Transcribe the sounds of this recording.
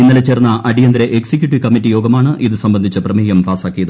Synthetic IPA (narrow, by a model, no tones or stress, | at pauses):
inːɐlet͡ɕːerɐnːɐʔɐɽijɐnd̪ɐɾeʔeksek̬juʈ̬ːiʋkɐmːitːijo̞ːɡɐmaːɳɨʔiðɨsɐmbɐnd̪ʱit͡ɕːɐprɐmeːjɐmpaːsaːkːijɐðɨ